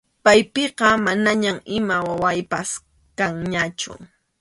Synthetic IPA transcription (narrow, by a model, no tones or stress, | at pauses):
pajpeqɑmanaɲamɪmawawajpas | kaŋɲat͡ʃʊ̰